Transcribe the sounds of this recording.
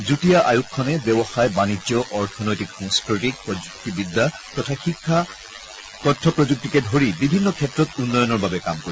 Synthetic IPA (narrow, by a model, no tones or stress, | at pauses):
zutijaʔajukʰːɔnɛbɛbɔxajbanid͡ʒɔʔɔɹtʰɔnɔjtikɔŋskɹɔtik̚pɹɔd͡ʒuk̚tibid̪ːa | tɔtʰaxikʰːa | kɔtʰːɔpɹɔd͡ʒuk̚tikɛdʱoɹibibʱinːɔkʰɛtɹɔtunːɔjɔnɔɹbabɛkamkoɹi